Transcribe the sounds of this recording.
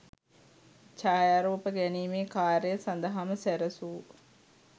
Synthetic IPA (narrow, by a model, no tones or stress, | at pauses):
t͡ʃaːjaɾuːpəɡæniːmeːkaːɾejəsand̪ɐɦaməsæɾəsuː